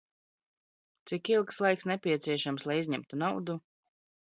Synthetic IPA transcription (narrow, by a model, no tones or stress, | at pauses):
t̪sikilˠkslˠajksnɛpʲiɛt̪siɛʃamslˠajizʲɲɛmt̪unawd̪u